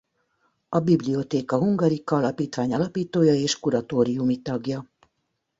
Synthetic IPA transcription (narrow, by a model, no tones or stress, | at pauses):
ɒbiblio̞t̪eːkɒɦuŋɡɒɾikːɒlɒpiːt̪ʋaːɲɒlɒpiːt̪oːjɒeːʃkuɾɒt̪oːɾijumit̪ɒɡjɒ